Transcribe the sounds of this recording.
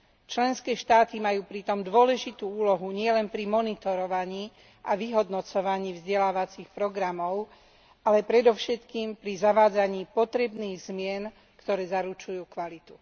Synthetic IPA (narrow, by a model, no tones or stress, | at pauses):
t͡ʃlɛnskɛːʃt̪aːt̪imajuːpɾit̪ɔmd̪ʊɔlɛʒit̪uːuːlɔɦuɲɪɛlɛnpɾimɔnit̪ɔɾɔʋaɲiː | ʔaʋiɦɔd̪nɔt͡sɔʋaɲiːvzɟɛlaːʋat͡sixpɾɔɡɾamɔʊ | alɛpɾɛd̪ɔʊʃɛt̪kiːmpɾizaʋaːd͡zaɲiːpɔt̪ɾɛbniːɣzmɪɛn | kt̪ɔɾɛːzaɾut͡ʃujuːkʋalit̪u̥